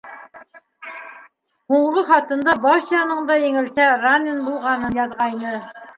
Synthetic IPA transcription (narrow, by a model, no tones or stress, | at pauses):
huɴʁɤχɑt̪ɤ̆nd̪ɑbɑʃjɑnɤɴd̪ɑjeŋɪ̆lsæɾanenbulˠʁɑnɤnjɑðʁɑjnɤ